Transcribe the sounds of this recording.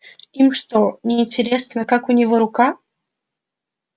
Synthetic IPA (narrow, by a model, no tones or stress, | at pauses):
imʂt̪onʲɪːnʲtʲɪɾʲesnəkakʊnʲɪvoɾʊka